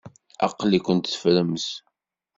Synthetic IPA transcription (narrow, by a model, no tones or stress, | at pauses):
ɑ̰qːlikʷʊnt̪θfɾəms